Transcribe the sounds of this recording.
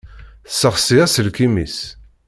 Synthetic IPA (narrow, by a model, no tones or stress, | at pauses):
θsːəχsiæsəlkimis